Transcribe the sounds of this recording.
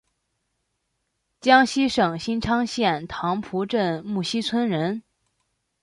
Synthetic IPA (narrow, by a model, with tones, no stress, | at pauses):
t͡ɕjɑ˥ŋɕi˥ʂɤ˨˩ŋɕi˥nʈ͡ʂʰɑ˥ŋɕjɛ˥˩nt̪ʰɑ˧˥ŋpʰu˧˥ʈ͡ʂə˥˧nmu˥˩ɕi˥t͡sʰwə˥nɻə˧˥n